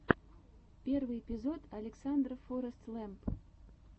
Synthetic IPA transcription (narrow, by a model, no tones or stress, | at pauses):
pʲervɨjepʲɪzo̞t̪ɐlʲɪksand̪rəfoɾəst̪lˠɛmp